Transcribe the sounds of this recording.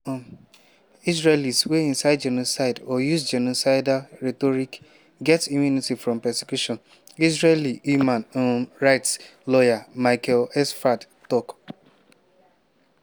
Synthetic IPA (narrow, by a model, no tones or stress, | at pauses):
is̬ɹelisweĩnsaɪd̚d͡ʒɛnosaɪdɔjusd͡ʒɛnosaɪdaɹetɔɾik | ɡɛtimjunitifɾɔ̃mpɛse̥kjuʃɔ̃n | isɹelihjumãnoɹaɪtslɔjamaɪkʰɛlɛsfad | tɔk